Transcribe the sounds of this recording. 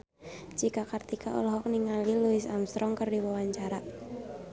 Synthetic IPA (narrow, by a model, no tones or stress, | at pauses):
d͡ʒ̥ikakart̪ikʰaʔɔ̰lɦɔk̚niŋaliluɪsamst̪ɾɔŋkərdiwɔwaɲt͡ʃaɾaʔ